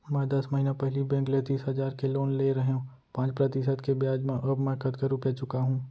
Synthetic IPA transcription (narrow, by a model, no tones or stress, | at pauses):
mɛ̃d̪ɐsmɐɦiːnapɛɦlibɛ̃ːkleːt̪isɦɐd͡ʒaːɾkeloːnleɾɐɦeũ | pãːt͡ʃpɾɐt̪ɪsəd̪kebjaːd͡ʒmẽʔɐbmɛ̃kət̪kəɾukɛːt͡ʃʊkaɦũː